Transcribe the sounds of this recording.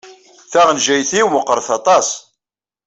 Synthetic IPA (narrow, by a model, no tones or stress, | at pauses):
θæʁənʒæjθiwməqːəɾˤθɑt̪ˤɑs